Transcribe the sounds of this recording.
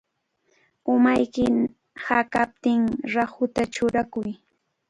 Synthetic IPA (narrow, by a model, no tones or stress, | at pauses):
ʊmajkɪ | hakap̚t̪ɪŋɾahʊt̪at͡ʃʊɾakʊj